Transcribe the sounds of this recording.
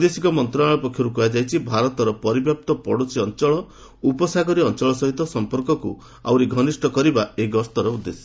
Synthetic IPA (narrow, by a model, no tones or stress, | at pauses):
d̪esikɔmɔnt̪ɾaaɭɔpɔkʰːjɔɾukuad͡ʒajt͡ʃʰibʱaɾɔt̪ɔɾɔpɔɾibjap̚t̪ɔpɔɽosʰiɔnt͡ʃɔɭɔ | upɔsaɡɔɾiɔnt͡ʃɔɭɔsɔɦit̪ɔsɔmpɔɾkɔku | a̰wɾiɡʱɔnisʈʰɔkɔɾibaeɡɔst̪ɔɾɔud̪ːesɔ̥